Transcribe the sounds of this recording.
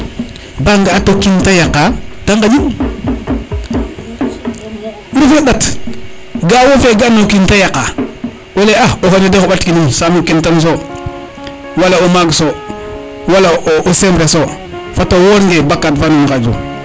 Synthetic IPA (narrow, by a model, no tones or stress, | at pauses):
baŋɡaatokintajakataŋɡad͡ʒin | ɾufeɗat | ɡawofeɡanokintajaka | woleaoxonedeoɓatkinimsamkintans̬o | walaomaɡso | walaʔoʔosembɾeso | fatowoɾŋɡebakːatfanuŋkad͡ʒo̰